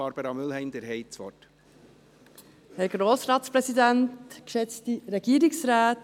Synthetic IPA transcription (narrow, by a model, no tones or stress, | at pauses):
ɑɾb̥əɾɑmʏlɦɛɪmd̪ɛɾɦɛɪt͡sʋɔ̰t | hɛɾɡ̥ɾoːsɾɑːtspɾɛsidɛntkʃɛt͡stiɾɛɡiːɾɪksɾaːt